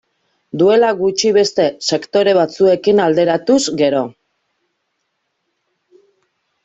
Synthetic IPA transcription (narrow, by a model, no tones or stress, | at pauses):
d̪ue̞laɣut͡ʃiβe̞st̪e̞se̞kt̪o̞ɾe̞β̞at͡sue̞kinald̪e̞ɾat̪uzɡe̞ɾo̞